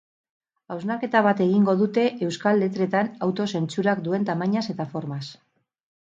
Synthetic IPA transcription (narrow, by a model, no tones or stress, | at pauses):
awznaɾke̞t̪aβ̞at̪e̞ɣ̞iŋɡo̞ðut̪e̞ʔewskalːe̞t̪ɾe̞t̪anawt̪o̞se̞nt͡suɾakd̪ue̞nt̪amaɲase̞t̪afo̞ɾmas